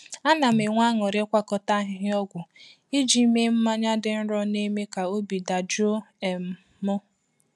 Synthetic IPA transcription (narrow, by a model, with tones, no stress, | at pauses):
a˦na˨m̩˨e˨ŋʷa˦ŋɔ˨ɾe˦kʷa˦kɔ˦ta˦ɦɪ˦ɦɪ˦ɔ˦ɡʷʊ˨ | i˦d͡ʒi˨˦me˦m̩˦ma˦ɲa˦dɪ˨n̩˦ɾɔ˦ne˦me˦ka˨o˦bi˨da˨d͡ʒo˦e˨m̩˨ | mʊ˦